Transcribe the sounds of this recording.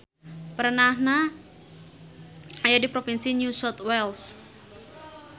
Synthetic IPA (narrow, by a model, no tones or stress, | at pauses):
pərnahna | ajadipɾofinsinusɔt̪wɛls